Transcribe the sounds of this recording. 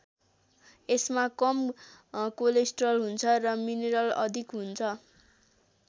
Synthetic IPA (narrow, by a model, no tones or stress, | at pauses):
esmakʌm | kolesʈrʌlɦunt͡sʰʌrʌmineɾʌlʌ̰d̪ʱikɦunt͡sʰʌ